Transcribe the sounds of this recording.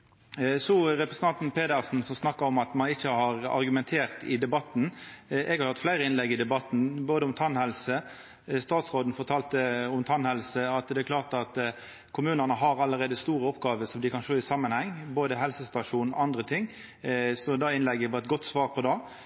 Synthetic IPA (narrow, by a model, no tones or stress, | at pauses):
sɔɾɛpɾəsən̩t̪ɑnt̪n̩pʰeːd̪əʁsn̩sɔmsnɑkːəɾɔmɑt̪mɑnɪçːəhɑɾɑ̰ɾɡʉmɛnt̪ʰeːɾt̪ɪd̪ɛbɑt̪n̩ʔɛɡhɑɾhɑt̪ːflæɪɾəɪnlɛɡɪd̪ɛbɑt̪ːn̩boːd̪əʊmt̪ʰɑnhɛlsə | st̪ɑːt̪sʁoːd̪n̩fɔʁt̪ʰɑːlt̪əɔmt̪ʰɑnhɛlsəɑt̪d̪ɛæklɑːʁt̪ɑt̪ | kʰʊmʉːnənəɦɑɾɑlːəɾeːd̪əst̪uːɾəɔpɡɑːʋəsɔmd̪ɪkɑnʃoːɪsɑmːənhɛŋːboːd̪əɦɛlsəst̪ɑʂuːnɑnd̪ɾət̪ʰɪŋː | sɔd̪ɑːɪnlɛɡːəʋɑːɛt̪̚ɡɔt̪ːsʋɑːɾpʰɔd̪ɑː